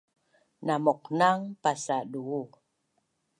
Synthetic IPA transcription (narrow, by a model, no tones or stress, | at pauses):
namɔk̚naŋpasaɗuɣu